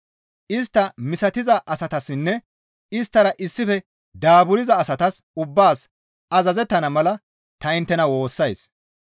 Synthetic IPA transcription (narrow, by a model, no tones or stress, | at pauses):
ʔɪst̪ːɐmɪsɐt̪ɪzɐʔɐsɐt̪ɐsːɪnːɛ | ɪst̪ːɐɾɐʔɪsːɪfɛ | d̪aːbʊɾɪzɐːsɐt̪ɐsʊbːaːs | ɐzɐzɛt̪ːɐnɐmɐlɐ | t̪ɐɪnt̪ːɛnɐwo̞ːsːɐjs